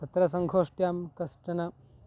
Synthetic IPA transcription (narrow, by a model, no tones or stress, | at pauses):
t̪ɐt̪ɾɐsɐŋɡʱoːʂʈjaːmkɐsʈɐnɐ